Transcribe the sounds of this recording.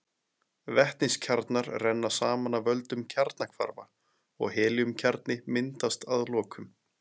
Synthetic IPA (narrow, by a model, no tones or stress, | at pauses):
vɛht̪ninscʰaɾt̪naɾrɛnːḁsaːmanavœlt̪ʏmcʰaɾt̪nakʰva̰ɾva̰ | ɔ̰ɣhɛːljʏmcʰɛɾt̪nɪmɪnt̪ast̪aðlɔːkʰʏm